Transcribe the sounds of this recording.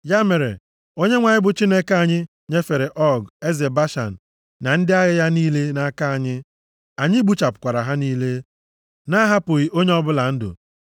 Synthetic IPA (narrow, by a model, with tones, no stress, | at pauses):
ja˦me˨ɾḛ˨ | o˦ɲe˦ŋʷa˨ɲɪ˦bʊ˨t͡ʃi˦ne˦ka˦˨ɲɪ˦ | ɲe˦fe˨ɾe˨ʔɔ˦ɡe˦ze˨ba˦ʃa̰˨n̩˨ | na˨n̩˦dɪ˦a˦ɣɪ˦ja˦niː˦le˦na˦ka˦a˨ɲɪ˦ | a˨ɲɪ˦ɡ͡bu˦t͡ʃa˨pʊ̥˨kʷa˨ɾa˨ɦa˦niː˦le˦ | na˦ɦa˦pʊ˨ɣi˨ʔo˦ɲe˦ɔ˦bʊ˦la˨n̩˦dʊ̰˨